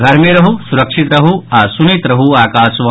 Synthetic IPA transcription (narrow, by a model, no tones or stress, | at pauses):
ɡʱɐɾmeɾɐɦusuɾɐkʂit̪ɾɐɦuaːsunit̪ɾɐɦuaːkaːsʋɐ